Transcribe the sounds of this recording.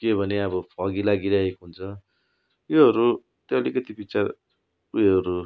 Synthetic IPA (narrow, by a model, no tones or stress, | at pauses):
kebʱʌneʌbʌpʰʌɡilaɡiɾʌɦekoɦunt͡sʰʌ | joɦʌɾu | t̪joʌlikʌt̪ipit͡sa | ueɦʌɾu